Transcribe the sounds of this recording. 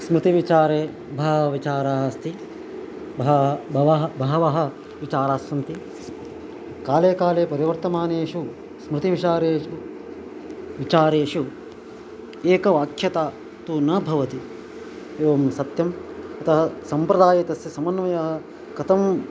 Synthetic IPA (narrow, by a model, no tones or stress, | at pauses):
smɾɪt̪iʋit͡ʃaːɾeː | bʱɐɦɐʋit͡ʃaːɾaːɦɐst̪ʰi | bɦɐbʱɐʋɐɦbʱɐɦɐʋɐɦɐ̆ | ʋit͡ʃaːɾaːsʋɐnt̪i | kaːleːkaːleːpɐɾiʋɐɾt̪ɐmaːneːʃu | smɾɪt̪iʋit͡ʃaːɾeːu | ʋit͡ʃaːɾeːʂu | eːkɐʋaːkʰjɐt̪aː | t̪uːnɐbʱɐʋɐt̪i | eːʋɐmsɐt̪jɐmɐt̪ɐɦɐsɐmpɾɐd̪aːjɐt̪ɐsjɐsɐmɐnʋɐjɐɦɐ̆ | kɐt̪ɐm